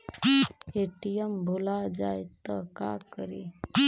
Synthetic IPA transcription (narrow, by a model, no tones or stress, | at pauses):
eʈijəmbʱolad͡ʒajt̪əka̰kəɾe